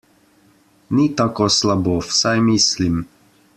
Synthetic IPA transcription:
nit̪akɔslabɔfsajmislim

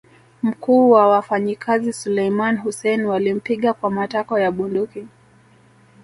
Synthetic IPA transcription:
m̩kuːwawafaɲikʰazisulɛjmanɦusɛnwalim̩piɠakwamatakɔjaɓunduki

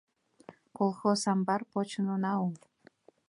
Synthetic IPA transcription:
kolˠxosɑmbɑrpot͡ɕə̆nonɑul

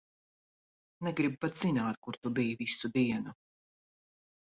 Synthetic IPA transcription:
nɛɡɾib̚pat̪z̥inaːt̪̚kuɾt̪ubijvisud̪iɛnu

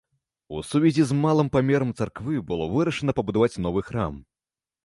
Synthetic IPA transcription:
ṵsuvʲɛzʲizmalˠɨmpamʲɛɾɐmt̪sarkvɨbɨlˠɔvɨɾɐʂɐnɐpɐbud̪avat͡sʲnɔvɨxɾa̰m

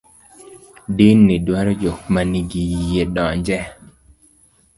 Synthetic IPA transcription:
dinːidwaɾɔd͡ʒok̚maniɡijijeɗɔɲd͡ʒɛ

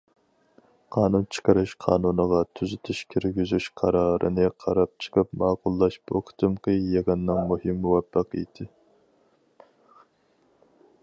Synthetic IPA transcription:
qʰɑːnunt͡ʃʰə̥qəɾɨʃqʰɑːnunɨʁɑt̪ʰyzyt̪ʰyʃkʲʰiɾɡʲizyʃqʰɑɾɑːɾʔɨ̰nɪqʰɑɾɑp̚t͡ʃʰə̥qɨpmɑːqʊlˠːɑʃboqʰt̪ʰɨmqəjeʁɨnːɨŋmuhɪmːuwɛpːɑqəḭd̪ɪ

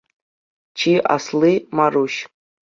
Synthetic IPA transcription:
t͡ʃʰiʔa̰slɨmaruʃ

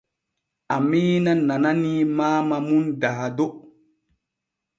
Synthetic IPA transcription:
ʔamiːnanananimaːmamundaːdo

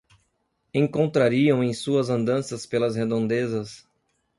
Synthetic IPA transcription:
ẽŋkõnt̪ɾaɾiɐ̃w̃ẽj̃suɐzɐ̃nd̪ɐ̃sɐspelɐzhed̪õnd̪ezɐs

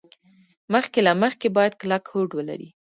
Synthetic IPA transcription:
məxkelaməxkebɑjad̪̚klakhoɖwəla̰ɾi

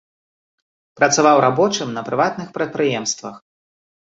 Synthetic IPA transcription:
pɾɐt̪savawɾabɔt͡ʂɨmnɐpɾɨvat̪nɨxpɾɐt̪̚pɾɨjɛmst̪vɐ̰x

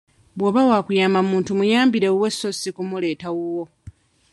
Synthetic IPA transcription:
bwoβawaːkujaːmamuːntumujaːmbiɾe̞wesːosikumule̞ːtawuwo

